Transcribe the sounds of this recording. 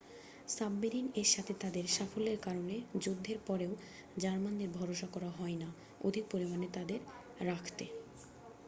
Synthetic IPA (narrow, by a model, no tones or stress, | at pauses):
sabːiɾineʃat̪ʰet̪ad̪eɾʃafolːeɾkaɾoned͡ʑod̪ʱːeɾpɔɾeo | d͡ʑaɾmand̪eɾbʱɔɾoʃakɔɾaɦɔena | o̰d̪ʱik̚poɾimanet̪ad̪eɾ | ɾakʰt̪e